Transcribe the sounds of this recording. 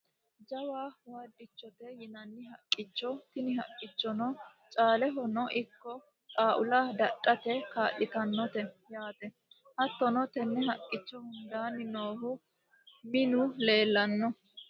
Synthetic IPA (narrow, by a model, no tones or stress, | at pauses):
d͡ʒɐwaːwɐd̪ːɪt͡ʃːɔt̪ɛjɪnɐnːɪɦɐkʼːɪt͡ʃːɔt̪ɪnɪhɐkʼːɪt͡ʃːɔnɔ | t͡ʃʼaːlɛɦɔnɔʔɪkːɔ | kʼaːʔʊlɐd̪ɐɗʼːɐt̪ɛkaːʔɪt̪ɐnːɔt̪ɛjaːt̪ɛ | hɐt̪ːɔnɔt̪ɛnːɛɦɐkʼːɪt͡ʃːɔhʊnd̪aːnɪnoːhʊ | mɪnʊle̞ːlːɐnːɔ